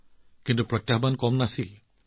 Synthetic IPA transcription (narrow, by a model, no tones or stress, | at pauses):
kintupɹɔt̪ːjaɦbankɔmnasil